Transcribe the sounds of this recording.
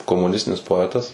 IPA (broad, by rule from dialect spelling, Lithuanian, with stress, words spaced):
koːmʊˈnʲɪsʲtʲɪnʲɪs poːˈæːtɐs